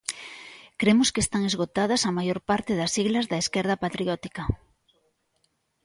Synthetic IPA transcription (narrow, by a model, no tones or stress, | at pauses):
kɾemʊskest̪aŋezɣot̪að̞ɐsɐmajoɾpaɾt̪ɪðɐsiɣlɐzðɐeskɛɾð̞ɐpat̪ɾiɔt̪i̥kɐ